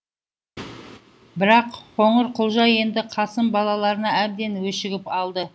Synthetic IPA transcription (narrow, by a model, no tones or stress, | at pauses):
bɪɾɑqχʰo̞ɴəɾqʰʊlˠʒɑje̞nd̪ɪqʰɑsəmbɑlˠɑlˠɑɾənɑæb̚d̪e̞nwɵʃɪɡʲɪpɑlˠd̪ə